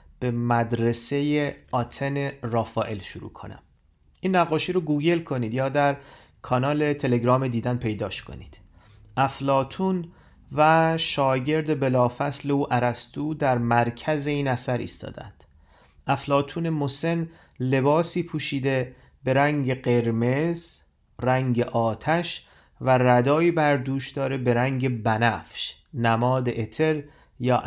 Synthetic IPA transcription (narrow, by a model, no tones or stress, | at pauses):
b̥emæd̪ɾese̞jeɒːt̪ʰenerɒːfɒːʔe̞lʃuɾṵːkʰo̞̰næ̰m | ʔiːnːæɣːɒːʃiːɾoɡuːɟe̞lkʰo̞niːd̪jɒːd̪æɾ | kʰɒːnɒːle̞t̪ʰe̞le̞ɡɾɒːmed̪iːd̪ænpʰe̞jd̪ɒːʃkʰo̞̰nḭːd̪̥ | ʔæflɒːt̪ʰuːn | væʃɒːɟe̞ɾd̪ebe̞lɒːfæsle̞uːʔæɾæst̪uːd̪æɾmæɾcʰæze̞iːnæsæɾḭːst̪ɒ̰ːd̪æ̰nd̪̥ | ʔæflɒːt̪ʰuːne̞mose̞n | le̞bɒːsiːpʰuːʃiːd̪e̞ | be̞ɾæŋɟe̞ɢe̞ɾme̞z | ræŋɟeʔɒːt̪ʰæʃ | væræd̪ɒːiːbæɾd̪uːʃd̪ɒːɾebe̞ɾæŋɟe̞bænæfʃ | næmɒːd̪eʔet̪ʰeɾ | jɒːʔ